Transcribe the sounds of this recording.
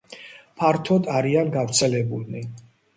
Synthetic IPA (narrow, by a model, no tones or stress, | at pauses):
pʰaɾt̪ʰɔd̪aɾianɡavɾt̪sʰɛlɛbulni